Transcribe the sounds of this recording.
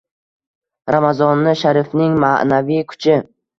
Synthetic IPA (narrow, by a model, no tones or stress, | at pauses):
ɾamazɒnːɪʃaɾɪfnɪŋmanavijkʰʊ̥t͡ʃʰɪ